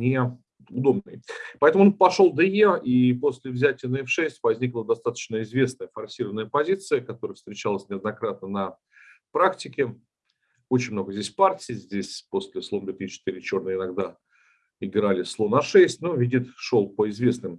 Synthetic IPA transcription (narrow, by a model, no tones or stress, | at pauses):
nʲɪ | ʊd̪o̞bnɨjpɐɛt̪əmʊonpɐʂolˠd̪əjeipo̞sʲlʲɪvzʲætʲɪjənəɪfʂɛsʲtʲvɐzʲnʲiklˠəd̪ɐst̪at̪ə̥t͡ɕnəɪzvʲe̞snəjəfɐrsʲiɾəvənəjəpɐzʲit̪sɨjəkɐt̪o̞ɾəjəfst̪ɾʲɪt͡ɕalˠəsʲnʲɪɐd̪nɐkɾat̪̚nənɐ | pɾaktʲɪkʲɪ | ot͡ɕɪnʲmno̞ɡəzʲdʲesʲpartʲɪːzʲdʲesʲpo̞sʲlʲɪslˠomd̪vʲet̪it͡ɕːɪt̪iɾʲɪt͡ɕo̞rnəjəɪnɐɡd̪a | ɪɡɾalʲɪslˠo̞nɐʂɛsʲtʲnovʲidʲit̪ʂolˠpəɪzvʲe̞snɨm